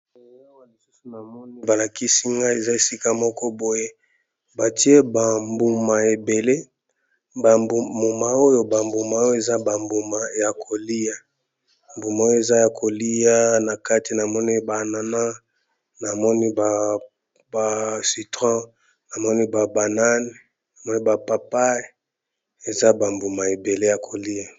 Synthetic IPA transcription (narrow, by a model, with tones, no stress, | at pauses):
o˨ŋa˦wa˦li˨su˦su˨na˨mɔ˦ni˦ba˨la˨ki˦si˦ŋɡa˦i˦e˨za˦e˨si˦ka˦mɔ˦kɔ˦bo˨je˦ | ba˨ti˦e˦ba˨mbu˨ma˨e˨be˨le˦ | bbu˨ma˨o˦jo˦ba˨mbu˨ma˨o˦o˦e˨za˦ba˨mbu˨ma˨ja˨kʰo˨li˦ja˦ | mbu˨ma˨˦o˦jo˦e˨za˦ja˨kʰo˨li˦ja˦na˨ka˦ti˨na˨mɔ˦ni˦ba˨na˨na˦ | na˨mɔ˦ni˦ba˨ | ba˨si˨tʁã˦ | na˨mɔ˦ni˦ba˨ba˨na˦ni˨ | na˨mɔ˦ni˦ba˨pa˨pa˦e˨ | e˨za˦ba˨mbu˨ma˨e˨be˨le˦ja˨kʰo˨li˦ja˨